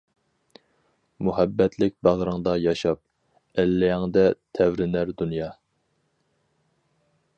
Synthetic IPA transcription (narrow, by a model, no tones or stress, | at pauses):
muhæbːɛt̪ʰlɪk̚ʲbæʁɾɨŋd̪ɑjɑʃɑp̚ | ɛlːɛŋd̪ɛt̪ʰɛwɾɪnæɾd̪unjɑ